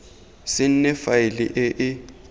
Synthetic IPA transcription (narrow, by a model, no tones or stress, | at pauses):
sɪn̩nɛfaɪlɪʔɪʔɪ